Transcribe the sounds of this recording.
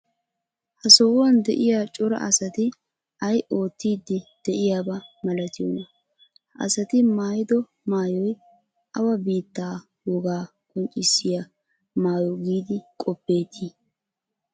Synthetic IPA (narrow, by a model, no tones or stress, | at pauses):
hɐsɔwʊwɐnd̪ɛʔɪjaːt͡ʃʼɔɾɐ̰ʔɐ̰sɐt̪ɪ | ʔɐjʔo̞ːt̪ːiːd̪ːɪd̪̥ɛʔɪjaːbɐmɐlɐt̪ɪjɔnɐ | ʔɐ̰sɐt̪ɪmaːjɪd̪ɔ | maːjɔj | ʔɐwɐbiːt̪ːaː | wɔɡaː | kʼɔnt͡ʃʼɪsːɪja | maːjɔɡiːd̪ɪkʼɔpːe̞ːt̪ʰi